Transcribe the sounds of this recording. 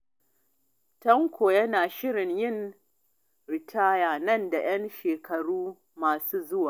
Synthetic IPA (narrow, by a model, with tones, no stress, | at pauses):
tɐ˦ŋkʷʰoː˨jɐ˦naː˨ʃɪ˦ɽɪ˨ɲjɪ˦˨n | ɾɪ˨tʰaː˦jaː˨nɐ˦nda˨j̰ɐ˦nʃeː˨kʰɐ˨ɽuː˦ | maː˨suː˦zʊ˦waː˨